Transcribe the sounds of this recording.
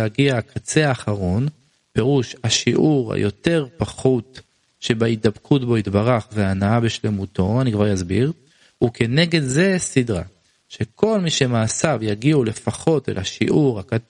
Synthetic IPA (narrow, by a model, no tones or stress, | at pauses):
aɡiakʰat͡se̞aːχaʁo̞n | pe̞ʁuʃhaʃiʔuʁa̰jo̞te̞ʁpaχut̪ | ʃebaid̪abkʰutbo̞it̪baʁaχveanaabeʃle̞muto̞anikvaʁjazbiʁ | uke̞neɡe̞d̪ze̞sidʁa̰ | ʃe̞kʰo̞lmiʃe̞maːsavjaɡiule̞faχo̞telaʃiʔuʁaka